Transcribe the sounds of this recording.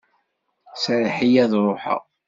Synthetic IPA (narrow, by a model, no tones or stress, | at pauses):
sɾħijæðɾˤoħə̰ʁ